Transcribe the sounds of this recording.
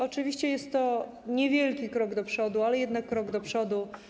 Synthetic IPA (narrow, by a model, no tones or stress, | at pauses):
ɔt͡ʂɘvʲiɕt͡ɕɛjɛst̪ːɔ | ɲɛvʲjɛlkʲikɾɔɡd̪ɔpʂɔd̪ualɛjɛd̪nakːɾɔɡd̪ɔpʂɔd̪u